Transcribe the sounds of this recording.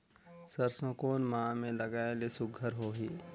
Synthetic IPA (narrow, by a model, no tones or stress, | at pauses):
səɾsõkoːnmãːmẽləɡaːelesʊɡʱəɾɦoːɦiː